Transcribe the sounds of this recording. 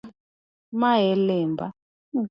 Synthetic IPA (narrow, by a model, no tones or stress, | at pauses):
maɦɛlɛːmbʱa